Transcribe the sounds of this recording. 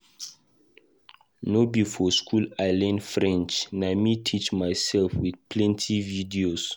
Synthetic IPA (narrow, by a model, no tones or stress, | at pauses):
nobifɔskʰulaɪlɛ̃nfɹɛ̃nt͡ʃnaɪmitʰit͡ʃmaɪsɛlfwidpʰlɛ̃ntʰividios